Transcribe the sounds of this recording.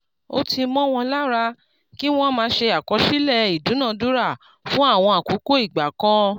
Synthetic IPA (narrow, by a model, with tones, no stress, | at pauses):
o˦tʰi˧mɔ̃˦w̃ɔ̃˧la˦ɾa˧ | ki˦w̃ɔ̃˦mãː˧˦ʃe˧a˨kɔ˨˧ʃi˦lɛ˦˨i˨dũ˨˦nã˦˨du˦ɾa˦˨ | fũ˦a˦˨w̃ɔ̃˧a˨ko˨˦ko˦i˦˨ɡ͡ba˨kɔ̃˧˦